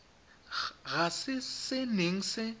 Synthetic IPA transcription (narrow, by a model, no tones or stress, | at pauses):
ɣasɪsɪneŋ̩sɪ